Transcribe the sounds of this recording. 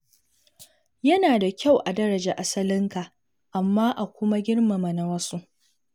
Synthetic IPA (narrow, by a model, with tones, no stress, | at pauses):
jɐ˦naː˨da˨kʲa˦˨wʔa˨dɐ˦ɾɐ˨d͡ʒaː˨ʔa˨sɐ˦lɪ˦ŋka˨ʔ | ʔa˨mːaː˦ʔa˨kʷʊ˦ma˦ɡʲɪ˦ɽma˨ma˨na˨wɐ˦su˦ʔ